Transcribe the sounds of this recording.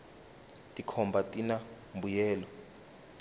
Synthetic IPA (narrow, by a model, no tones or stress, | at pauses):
tʼikʰɔmbʱatʼina | mbʱujɛːlɔ